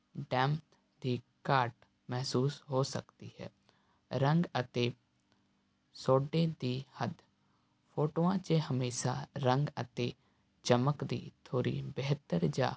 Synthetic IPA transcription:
ɖɛ̃ːmt̪ | d̪iː | kaːɾʈ | mɛɦsuːsɦoːsə̰kt̪iːɦɛ̰ː | ɾə̃ŋɡət̪eː | soːɖeːd̪iːhəd̪ | pʰoːʈoːãːt͡ʃeɦəmeːʃaːɾə̃ŋɡə̰t̪eː | t͡ʃəməkd̪ḭːt̪ʰoːɾḭːbɛɦt̪əɾd͡ʒa̰ː

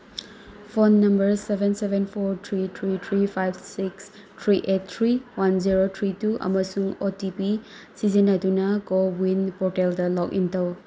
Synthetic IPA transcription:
pʰonːɐmbɐɾsebʱensebʱenpʰoɾtʰɾitʰɾitʰɾipʰajbsiks | tʰɾiʔet̚tʰɾiwanziɾotʰɾituʔɐ̰mɐsuŋotipi | sizinɐdunɐkowinpoɾteldɐlɔk̚ḭntɐw

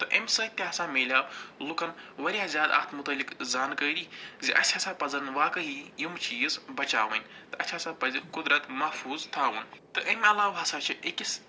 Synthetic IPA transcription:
t̪ɨʔɐ̰mʲsɐːt̪ʲaːsaːmeːlʲaːblukɐnʋɐɾijaːzʲjaːd̪ɐ̰kt̪ʰmut̪ɐlikzaːnkəːɾiːziʔɐ̰tt͡ʃʲʰaːsaːpɐzɐnʋaːkɐɦijumt͡ʃiːzbɐt͡ʃa̰ːʋɐnʲtt̪ɨɐʃʰaːsaːpɐzikʊd̪ɾɐt̪mɐhfuːzt̪ʰaːʋɨ̰nt̪ɨʔɐmʲɐlaːʋɐsaːt͡ʃʰiʔekʲis

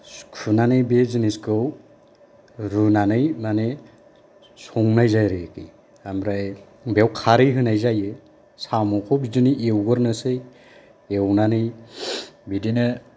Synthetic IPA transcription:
kʰɯnanɯjbezɯniskɯw | ɾɯnanɯjmane | sɔŋnajzajɾɯkḭ | amɾaj | bewkʰaɾɯɦɯnajzajɯ | samɔkʰɔbidiniewɡɯɾnɯsɯj | ewnanɯj | bidinɯ

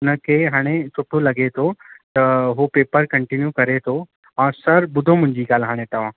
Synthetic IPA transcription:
nəkeɦaːɽ̃et͡ʃoːʈʰolɐɡet̪ʰot̪əɦopeːpəɾkəɳʈinjukɐɾet̪ʰo | ãːsəɾbʊd̪ʱomʊ̃ɲd͡ʒiːkaːlɦaːɽ̃ẽt̪ɐʋ̤ãː

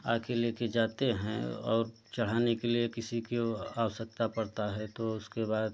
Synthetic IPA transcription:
a̰ːkeleːked͡ʒaːt̪eɦɛ̰̃ɔ̰ːɾ | t͡ʃɐɽ̤aːnekeliekɪsikeaːwəʃək̚t̪apɐɽt̪aɦɛt̪oʊskebaːd̪̚

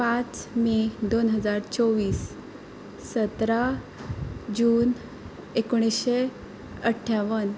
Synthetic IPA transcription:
pat͡smid̪onɦəd͡zaɾt͡sɔʋiːsː | ət̪ɾa | d͡ʑuːn | ekoɽ̃iɕe | əʈʰːaʋən

